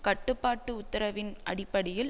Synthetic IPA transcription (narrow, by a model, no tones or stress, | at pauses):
kɐʈːɯpːaːʈːɯʊt̪ːɐɾɐʋɪnɐ̰ɽɪpːɐɽɪjɪl